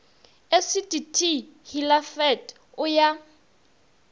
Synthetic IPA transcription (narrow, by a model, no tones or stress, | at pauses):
esitʼitʰihilafɛt | ʊja